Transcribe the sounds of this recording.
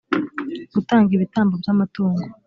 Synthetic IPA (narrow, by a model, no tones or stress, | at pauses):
ɡ̥utaːŋɡiβitaːmbobjamatoːŋɡo